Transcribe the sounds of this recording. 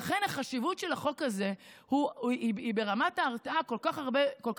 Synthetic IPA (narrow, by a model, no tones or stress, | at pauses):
aχe̞nhaχaʃivutʃelaχo̞kaze̞huiibe̞ʁamataːʁtaako̞lkaχaʁbekolk